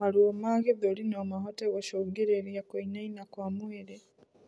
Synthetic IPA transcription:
aliomaɡeðolinomaɦoteɣoʃoɡeɾeɾijakoinainakwaːmweɾe

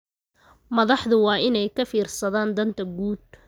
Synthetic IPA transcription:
mɐðɑħðʊwɑːɪnɛjkʰɐfiːrsɐðaːnd̪ɐnt̪ʰɐɡuːd̪̚

